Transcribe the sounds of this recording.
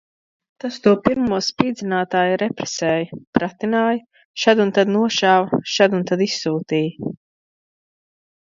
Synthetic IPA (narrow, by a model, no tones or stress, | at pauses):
t̪ast̪uɔpiɾmuɔspiːd̪zʲinaːt̪aːjɾɛpɾɛsɛːjɐpɾat̪inaːj | ʃad̪unt̪ad̪nuɔʃaːvɐʃad̪unt̪ad̪isːuːt̪iːj